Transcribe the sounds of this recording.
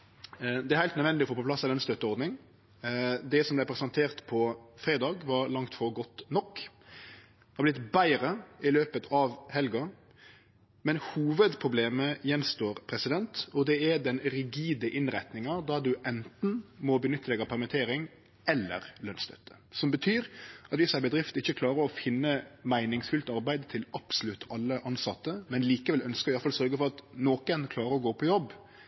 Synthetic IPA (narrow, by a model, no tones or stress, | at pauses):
d̪ɛæɾhæɪt̪nəd̪ʋɛnɪɔfoːpɔplɑsːɑlœnst̪œt̪ːəɔɾd̪nɪŋ | d̪ɛsɔmblæɪpʰɾɛsɑnt̪ʰeːʁt̪pʰɔfɾeːd̪ɑːɡʋɑɾlɑŋt̪fɔɾɡɔt̪ːnɔkː | hɑblɪt̪bæɪɾəɪløːpət̪ʰɑʋhɛlɡɑ | mɛnhuːʋəd̪pʰɾʊbleːməjɛnst̪oːɾpʰɾɛsɪd̪ɛnt̪ɔd̪ɛɛd̪ɛnɾɪɡiːd̪əʔɪnɾɛt̪nɪŋɑd̪ɑd̪ʉʔɛnt̪n̩mɔbənʏt̪ːəlɛɡɑpʰæɾmət̪ʰeːɾɪŋ | ɛlːə̰ɾlœnst̪œ̰t̪ːə̥ | sɔmbət̪ʰyːɾɑt̪ʋɪsæbəd̪ɾɪft̪ɪçːəkʰlɑːɾəɔfɪnːəmæɪnɪŋsfʉlt̪ɑɾbæɪd̪t̪ʰɪlɑb̥sʊlʉt̪ːɑlːəʔɑnsɑt̪ːəmɛnliːkəʋɛlœnskəɾɪʋɑɾfɑlsœɾɡəfɔɾɑt̪noːkənkʰlɑːɾəɾɔɡoːpʰɔjɔbː